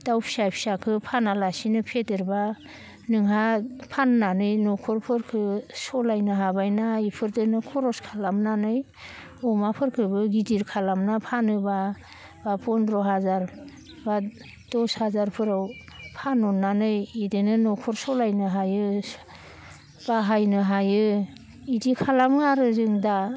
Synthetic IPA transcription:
dawpʰi̥sapʰi̥sakʰɯpʰanalasinɯpʰedɯɾba | nɯŋɦapʰanːanɯjnɔkʰɔɾpʰɯɾkʰɯsɔlajnɯɦabajnaipʰɯɾdɯnɯkʰɔɾɔskʰalamnanɯj | ɔmapʰɯɾkʰɯbɯɡidiɾkʰalamnapʰanɯba | bapʰɔnɾɔɦazaɾ | ba | d̥ɔshazaɾpʰɯɾaw | pʰanːɔnːanɯjidenɯnɔkʰɔɾsɔlajnɯɦajɯ | b̥aɦajnɯɦajɯ | idikʰalamaɾɯzɯŋda

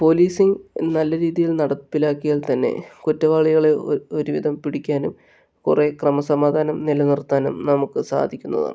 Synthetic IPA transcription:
po̞ːliːsiŋɡnɐlːɐɾiːðijilnɐɽɐpːilaːkːijɐlt̪ɐnːḛkutːɐʋaːɭiɣɐɭeo̞ɾuʋid̪ʱɐmpiɽikʲːaːnum | kure̞krɐmɐsɐmaːd̪ʱaːnɐmnilɐnirt̪ːaːnumnɐmukːɨsa̰ːd̪ʱikʲːunːɐ̰ða̰ːɳɨ

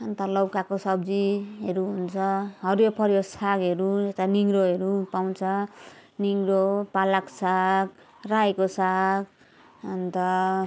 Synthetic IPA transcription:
ʌnt̪ʌlʌwkakosʌbd͡ziɦeɾuɦunt͡sʰʌɦʌɾopʰʌɾjosaɡɦeɾuet̪aniŋɡɾoɦeɾupaw̃t͡sʰʌniŋɾopalaksaɡ | rajkosaɡ | ʌnt̪ʌ

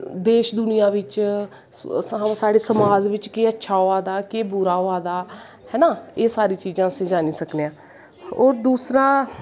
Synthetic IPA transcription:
d̪eːʃd̪ʊnɪjãːʋɪt͡ʃ | saːɽeːsəmaːzʋɪt͡ʃkeːətːʃʰaːoːaːd̪aːkeːbʊɾaːoːaːd̪aː | hɛːnaːeːsaːɾiːt͡ʃiːzãːəsẽːd͡ʒaːniːsəkneːãː | ɔːɾd̪uːsɾaː

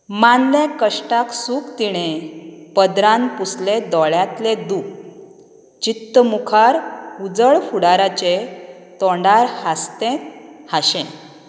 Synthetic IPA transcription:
manlẽkəʂʈaksuːkt̪iɽ̃epəd̪ɾãnpusled̪ɔɭjat̪led̪uːk | t͡ɕit̪ːəmukʰaɾud͡zəɭfuɽaɾat͡ɕe | t̪ɔɳɖaɾhast̪ẽt̪haɕɛ̃

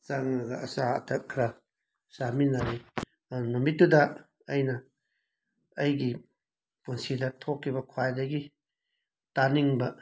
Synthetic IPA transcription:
zaŋɐɡɐʔɐ̰saɐ̰tʰɐt̚kʰɾɐ | saminaɾi | numit̚dudɐ | ɐjnɐ | ɐjɡi | punsidɐtʰokʰːibɐkʰwajdɐɡi | taniŋbɐ

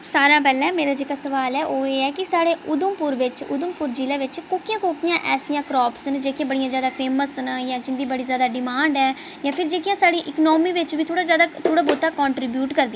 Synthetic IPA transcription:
saːɾãːp̬ɛːlɛ̃ːmeːɾaːd͡ʒeːkaːsəʋaːlɛːʔoːeːɛːkɪsaːɽeːʊd̪ʊmpʊɾʋɪt͡ʃʊ̰d̪ʊmpʊɾd͡ʒiːlãːʋɪt͡ʃkoːkijãːkoːkijãːʔɛːsijãːkɾɔːpsnd͡ʒeːkijãːbəɽijãːzjaːd̪aːpʰeːməsnjãːd͡ʒɪ̃nd̪iːbəɽiːzjaːd̪aːɖɪmaːɳɖɛːjãːpʰɪɾd͡ʒeːkɪjãːsaːɽiːʔɪknɔːmiːʋɪt͡ʃʋiːt̪ʰoːɽaːzjaːd̪aːt̪ʰoːɽaːboːt̪aːkɔːɳʈɾɪbjuːʈkəɾd̪i

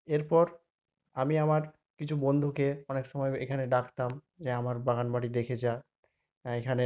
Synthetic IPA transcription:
eɾpɔɾ | amiamaɾ | kit͡ɕʰubɔnd̪ʱukeɔnekʃɔmɔjekʰaneɖakʰt̪am | d͡ʑeamaɾbaɡanbaʈid̪ekʰet͡ɕa | ekʰane

